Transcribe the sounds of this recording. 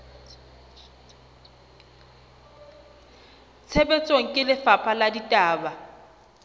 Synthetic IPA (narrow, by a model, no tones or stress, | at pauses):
t͡sʰebet͡sʼoŋ̩kʼɪlɪfapʰaladitʼaːba